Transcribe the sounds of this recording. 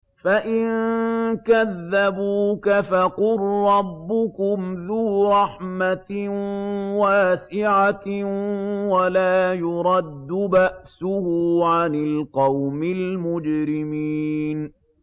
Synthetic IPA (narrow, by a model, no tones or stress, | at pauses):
faʔɪnkaðːabuːkafaqʊlɾˤɑbːʊkʊmðuːɾˤɑħma | waːsɪʕa | walaːjʊɾˤɑd̪ːʊbaʔsʊhuːʕanɪlqɑwmɪlmʊd͡ʒɾɪmiːn